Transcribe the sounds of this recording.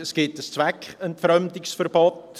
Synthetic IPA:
əsɡ̥ɪtəst͡sʋækχəntfɾœmd̪ɪksfərb̥ot

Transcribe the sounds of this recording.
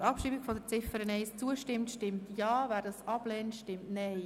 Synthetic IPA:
ɾɑpʃiːbiɡfɔd̪ət͡sɪfəɾənɛɪst͡suəʃtɪmtʃtɪmtjɑːʋæːɾdɑsɑb̥lɛːntʃtɪmtnɛɪ

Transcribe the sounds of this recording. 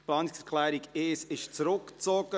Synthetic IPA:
plɑːnɪksɛɾkʰlɛːɾiɡeːsɪʃt͡sɾʊkt͡sɔɡ̥ə

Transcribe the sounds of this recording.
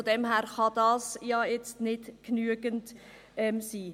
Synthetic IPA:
fodɛmɦæːɾχɑdɑːsjɑjɛt͡stnɪdknyəɡənt | ɛmsiː

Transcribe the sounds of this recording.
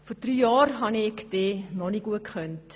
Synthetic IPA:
fɔɾd̥ɾyːjɑːɾɦɑnɪkd̥eːnɔniɡ̥uətkχœnt

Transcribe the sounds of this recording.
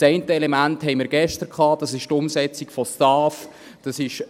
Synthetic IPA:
sɛɪntəɛlɛmænthɛɪmiɾɡɛʃtəɾkʰɑːd̥ɑsɪʃtʊmsɛt͡sikfɔstɑːf | d̥ɑsɪʃ

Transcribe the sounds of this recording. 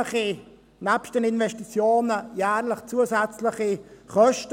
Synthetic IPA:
χi | næpsʃtd̥ənɪnvɛstit͡sjoːnəjæːɾləχt͡suəzæt͡slɪχiχœʃt

